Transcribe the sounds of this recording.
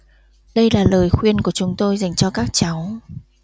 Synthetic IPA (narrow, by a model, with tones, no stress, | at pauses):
ɗə˧jlaː˨˩ləː˨˩jxwi˧ənku˧˩ət͡ɕʊ˨˦ŋ͡mt̪o˧jza˨˩jŋ̟t͡ɕɔ˧kaː˦˥k̚t͡ɕa˨˦w